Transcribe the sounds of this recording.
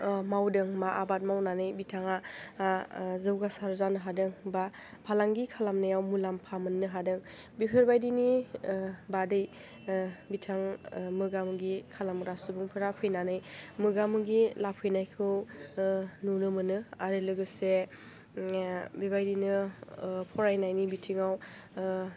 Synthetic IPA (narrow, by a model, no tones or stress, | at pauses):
mawdɯŋmaʔabat̚mawnanɯjbitʰaŋa | zɯwɡasaɾzanɯɦadɯŋba | pʰalaŋɡikʰalamnɯjawmulampʰamɯnːɯɦadɯŋ | bipʰeɾbajdini | badɯj | bitʰaŋmɯɡamɯɡikʰalamɾasubuŋpʰɯɾapʰɯjnanɯjmɯɡamɯɡilapʰɯjnajkʰɯw | nunɯmɯnɯaɾɯlɯɡɯse | bibajdinɯ | pʰɔɾajnajnibitʰiŋaw